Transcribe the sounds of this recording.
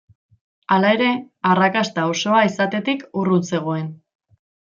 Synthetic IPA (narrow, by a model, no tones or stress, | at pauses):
alae̞ɾe̞ | arakast̪ao̞so̞aisat̪e̞t̪ikurut͡se̞ɣ̞o̞e̞n